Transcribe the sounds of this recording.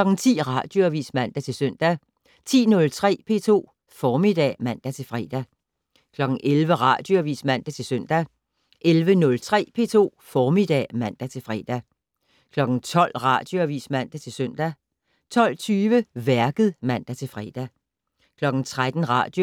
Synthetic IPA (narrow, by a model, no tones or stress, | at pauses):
lɒ̽ɡ̥n̩t͡sʰḭːʁɑ̈ːd̥jo̝æʋḭːsmæn̰d̥æt͡sʰe̝lsœn̰d̥æ | t͡sʰḭːnɔ̽lt͡sʰʁɛ̰ːpʰe̝̰ːt͡sʰo̝̰ː | fɒːmid̥ɛ̰mæn̰d̥æt͡sʰe̝lfʁɛ̰ːd̥æ | kʰlɒ̽ɡ̥n̩ʔelʋəʁɑ̈d̥jo̝æʋḭːsmæn̰d̥æt͡sʰe̝lsœn̰d̥æ | ʔelʋənɔ̽lt͡sʰʁɛ̰ːpʰe̝̰ːt͡sʰo̝̰ːfɒːmid̥ɛ̰ːmæn̰d̥æt͡sʰe̝lfʁɛːd̥æ | kʰlɒ̽ɡ̥n̩t͡sʰɒ̽l̰ʁɑ̈d̥jo̝æʋḭːsmæn̰d̥æt͡sʰe̝lsøn̰d̥æ | t͡sʰɒ̽l̰t͡sʰyːʋəʋæɐɡ̥ð̩ˠmæn̰d̥æt͡sʰe̝lfʁɛːd̥æ | kʰlɒ̽ɡ̥n̩t͡sʰʁad̥n̩ʁɑ̰̈ːd̥jo